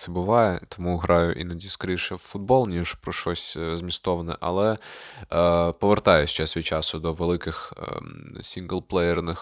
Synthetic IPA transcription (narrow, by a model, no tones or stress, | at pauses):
t̪ɛbʊʋɑjɛt̪ɔmuɦɾɑjʊ̰ʔḭnɐdʲiskɐɾʲiʃɛwfʊd̪̚bɔlˠnʲiʒpɾɔʃɔsʲzmʲist̪ɔʋɐnɛ̰ʔɐ̰lˠɛ | pɔʋert̪ɑjʊsʲt͡ʃɛsʲʋʲit͡ʃɑsʊd̪ɔʋelˠɪkɪx | sʲiŋɡlˠplˠɛjɛrnɪx